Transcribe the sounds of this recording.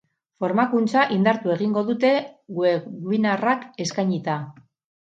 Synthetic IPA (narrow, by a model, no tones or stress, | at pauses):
fo̞ɾmakunt͡saʔind̪aɾt̪ue̞ɣiŋɡo̞ðut̪e̞ɣueβinarake̞skajɲit̪a